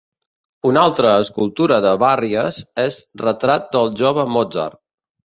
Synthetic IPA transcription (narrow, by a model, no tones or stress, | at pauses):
unalˠt̪ɾəːskulˠt̪uɾəðəβariəzezrət̪ɾat̪̚d̪əlˠʒoβəmod͡zə̰r